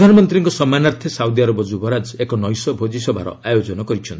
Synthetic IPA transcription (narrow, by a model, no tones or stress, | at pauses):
d̪ʱanɔmɔnt̪ɾiŋkɔsɔmanaɾt̪ʰesawd̪iaɾobɔd͡ʒubɔɾad͡ʒekɔnɔjsɔbʱod͡ʒisɔbʱa̰ɾɔ̰ajod͡ʒɔnɔkɔɾit͡ʃʰɔnt̪i